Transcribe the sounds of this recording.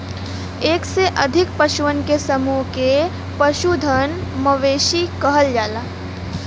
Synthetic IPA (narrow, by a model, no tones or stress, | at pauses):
eːkseʔɐd̪ʱɪk̚pɐʃuʋənkesəmuɦke | pəʃud̪ʱənmɐʋeːʃikəɦəld͡ʒaːlaː